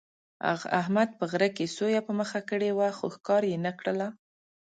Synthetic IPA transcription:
a̰ɣa̰hmad̪̚pəɣɾakesojapəməxakəɽewaxoxkɑɾjenakɽəla

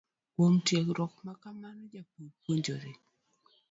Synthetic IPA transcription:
kwomtjekɾɔkmakamanɔd͡ʒapopwoɲd͡ʒoɾɪ

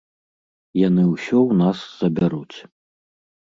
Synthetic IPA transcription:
janɨwsʲɔwnasːɐbʲaɾut͡sʲ

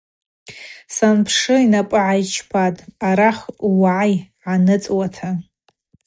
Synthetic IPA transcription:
sanpʰʂɨinapʼɨʕajt͡ʃʰpʰatʼaɾaχwaʕajʕanɨt͡sʼwatʰa

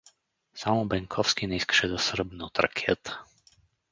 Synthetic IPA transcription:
samɔbɛŋkʰɔwskiniskʃɛd̪ɔsr̩bnut̪ɾa̰kʰɛt̪

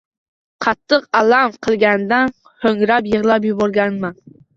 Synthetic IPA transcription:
qʰɑt̪ʰːɨqalamqʰɨlˠɡʲand̪an | hɵŋɾapjɨʁlˠap̬jʊbɒɾɡʲanman

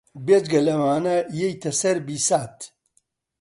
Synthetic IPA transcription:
bed͡ʒɡɐlɐwaːnɐjejt̪ʰɐsɐɾbiːsaːt̪

